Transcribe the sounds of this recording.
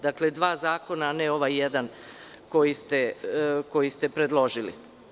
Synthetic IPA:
d̪akle̞d̪ʋaːzaːko̞naneo̞ʋajjed̪an | ko̞jist̪e̞ko̞jist̪e̞pɾe̞d̪lˠo̞ʒilḭ

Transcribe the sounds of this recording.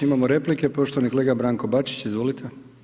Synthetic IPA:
imamoɾe̞plike̞po̞ʃt̪oʋanikole̞ːɡabɾaːŋko̞bat͡ʃi̥t͡ɕizʋoːlit̪ʰe

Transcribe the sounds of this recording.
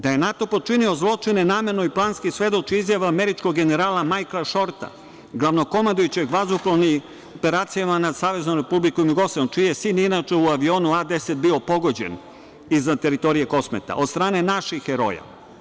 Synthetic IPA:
d̪aje̞nat̪o̞po̞t͡ʂinio̞zlˠo̞t͡ʂinenaːme̞ɾnoiplˠaːnskisʋe̞d̪o̞t͡ʃiizjaʋaːme̞ɾit͡ʃko̞ɡɡe̞ne̞ɾaːlamajklaʃo̞ɾt̪a̰ | ɡlˠaʋno̞ko̞mand̪ujut͡ɕeɡʋazuploni | ope̞ɾaːt̪sijamanad̪saːʋe̞znomɾe̞publikomjuɡo̞saumt͡ʃijesiːninat͡ʂeuaʋio̞ːnuad̪e̞set̪̚bio̞po̞ɡo̞d͡ʑen | izat̪e̞ɾit̪o̞ɾije̞ko̞smḛt̪a̰ʔod̪st̪ɾaːne̞naʃixːeɾo̞̰ja̰

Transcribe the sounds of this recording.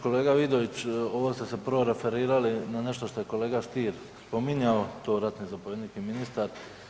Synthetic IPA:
ko̞le̞ːɡaʋid̪o̞ʋit͡ɕo̞ʋost̪ese̞pəɾʋo̞ɾe̞fe̞ɾiːɾalinane̞ʃt̪o̞ʃt̪o̞je̞ko̞le̞ːɡaʃt̪iːɾ | spo̞miɲaot̪o̞ːɾat̪nizapoʋed̪niːt͡ʃkiminist̪aɾ

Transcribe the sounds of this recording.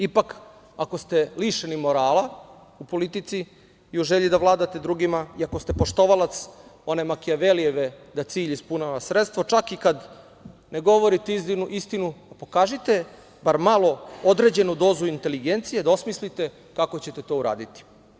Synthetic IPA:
ipak | ako̞st̪e̞liʃenimo̞ɾaːla | upo̞lit̪it̪si | iuʒeʎid̪aʋlˠaːd̪at̪e̞d̪ɾuɡimaiako̞st̪e̞po̞ʃt̪o̞ʋalat̪so̞nemakiaʋelijeʋed̪at̪siːʎispunaʋasɾet̪st̪ʋo̞t͡ʃakikad̪ | ne̞ɡo̞ʋo̞ɾit̪eiinuʔist̪inuapo̞kaːʒit̪e̞ | baɾmalˠo̞o̞d̪ɾe̞d͡ʑe̞nud̪o̞ːzuint̪e̞liɡe̞nt̪sijed̪aosmislit̪e̞ | kako̞t͡ɕe̞t̪et̪o̞ːuɾa̰ːd̪it̪i̥

